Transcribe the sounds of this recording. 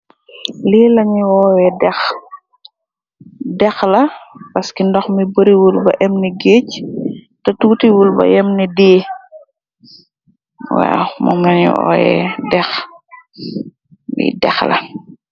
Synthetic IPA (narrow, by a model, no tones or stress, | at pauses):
liːlɐɲiwɔːjɛdɛx | dɛxlɐpɐskindɔxmibəɾiwulbɐʔɛmniɡeːc | tɐtuːtiwulbɐ̰jɛmnidiː | wa̰wmɔ̰mnɐɲṵwɔ̰ːjɛ̰dɛx | mbḭdɛ̰xlɐ̰